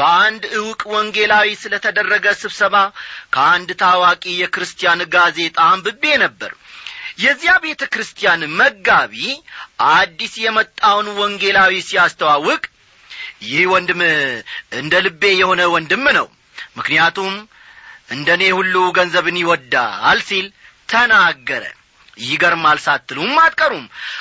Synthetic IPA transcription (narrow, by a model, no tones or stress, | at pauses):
b̥əand̪ɨwʊkʼwɔŋɡe̞lawisɨlət̪ʰəd̪ərːəɡəsɨβsəβakʰəand̪t̪ʰawakʼijɛkɨɾɨst̪ʰijanɡaze̞t̪ʼambɨbːe̞nəbːə̰ɾjɛzːijabe̞t̪ʰəkɨɾɨst̪ʰijanməɡːaβiʔad̪ːisjɛmət̪ʼːawnwɔŋɡe̞lawisijast̪ʰəwawːɨkʼ | jɪhwɔnd̪ɨm | ɨnd̪əlɨbːe̞jɛho̞nəwɔnd̪ɨmːnəw | mɨknijat̪ʰum | ʔɨnd̪əne̞hulːuɡənzəβɨniwɔd̪ːaalsil | t̪ʰənaɡːəɾə̰ | jɪɡəɾmalsat̪ːɨlumːat̪ʼkʼəɾum